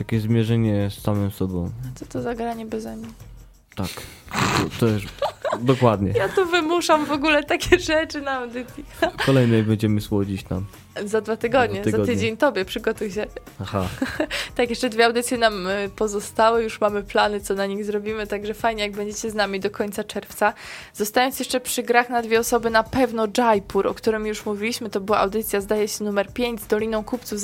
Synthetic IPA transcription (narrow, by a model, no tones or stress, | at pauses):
j̪akʲeʑzmʲjɛʐɛɲɛsːamɛmsɔbɔ̃w̃at̪sɔt̪ɔzaɡɾaɲɛbɛzɛmʲɲi | t̪ak̪ | ɔt̪ɔʂd̪ɔkwad̪ɲɛjat̪uvɘmuʂamvɔɡulɛt̪akʲɛʐɛt͡ʂɘnaːawd̪ɘt̪sʲjikɔlɛjnɛbɛɲd͡ʑɛmɘswɔd͡ʑit͡ɕt̪a̰m | zad̪vat̪ɘɡɔd̪ɲɲɛzaɘd͡ʑeɲt̪ɔbʲjɛpʂɘɡɔt̪ujɕɛ | aha̰t̪akjɛʂt͡ʂɛd̪vʲjɛawd̪ɘt̪sʲjɛnampɔzɔst̪awɘjuʂmamɘplanɘt̪sɔnaɲiɣzɾɔbʲimɘt̪aɡʐɛfajɲɛjaɡ̚bɛɲd͡ʑet͡ɕɛznamʲid̪ɔkɔɲʲt̪sat͡ʂɛɾft̪sazɔst̪ajɔnsjɛʂt͡ʂɛpʂɘɡɾaxnad̪vʲɛɔsɔbɘnapɛvnɔd͡ʐajpuɾɔ̰kt̪uɾɘmjuʂmuvʲilʲiɕmɘt̪ɔbɘwaawd̪ɘt̪sʲjazd̪ajɛɕɛnumɛɾpʲjeɲd͡ʑzd̪ɔlʲinɔ̃w̃kupt̪suf